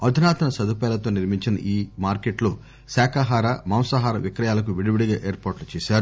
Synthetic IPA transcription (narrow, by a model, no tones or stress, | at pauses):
ɐd̪ʱunaːt̪ɐnɐsɐd̪upɛːlɐt̪o̞ːniɾmiɲt͡ʃinɐ̰ʔiːmaːɾkeʈloː | saːkaɦaːɾɐmɐmsɐɦaːɾɐʋikɾɐjaːlɐk̬uʋiɽiʋiɽiɡaːʔeːɾpaːɾʈlut͡ʃɛːsaːɾu